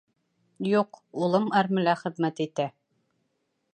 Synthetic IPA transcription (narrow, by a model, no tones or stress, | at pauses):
juqulˠɤmæɾmɘ̆læχɘ̆ðmæt̪it̪æ